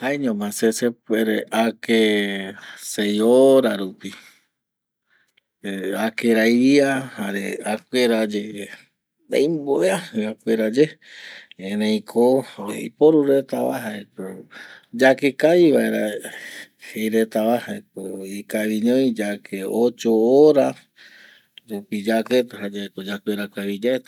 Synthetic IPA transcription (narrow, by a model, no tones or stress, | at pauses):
haeɲõmãsesepeɾeʔake | sejoɾaɾupi | eakeɾajiahaɾeakʷeɾad͡ʒe | d̪a̰jmboeahɨakʷeɾad͡ʒe | enẽj̃kʰoḛḭpoɾuɾet̪aβa̰ɦaekod͡ʒakekaβiβaeɾa | hejɾet̪aβahaekoikaβiɲõj̃d͡ʒakʰeot͡ʃooɾa | ɾupid͡ʒaket̪aɦad͡ʒaekod͡ʒakʷeɾakaβid͡ʒaet̪a